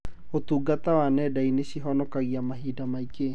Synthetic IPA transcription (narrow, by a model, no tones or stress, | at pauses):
ot̪uɡat̪awanɛdainesiɦɔnɔkaɣiamaɦidamaike